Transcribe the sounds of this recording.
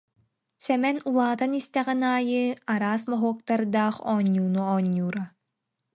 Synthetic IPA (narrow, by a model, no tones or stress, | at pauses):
sɛmɛnulˠaːt̪anist̪ɛʁɛnaːjɯaɾaːsmaɦuɔk̚t̪aɾd̪aːχɔːɲːuːnuɔːɲːuːɾa